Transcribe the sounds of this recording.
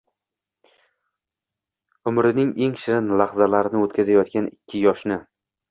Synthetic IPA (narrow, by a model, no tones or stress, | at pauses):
ʊmɾɪnɪŋe̞ŋʃɪɾɪnlaχzalaɾɪnɪot̪kʰʲazajɒt̪kʲanɪkʲʰːɪjɒʃnɪ